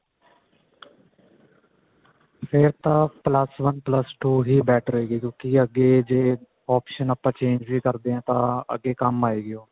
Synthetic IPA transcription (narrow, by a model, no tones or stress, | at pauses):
pʰɪɾt̪ãːpləsʋənpləsʈuːɦiːbɛːʈʰəɾəeːɡiːkjõːkiəɡeːd͡ʒeː | ɔːpʃənəpːãːt͡ʃẽːɲd͡ʒʋiːkəɾd̪eːãːt̪ãːə̰ɡeːkəmaːeːɡɪjoː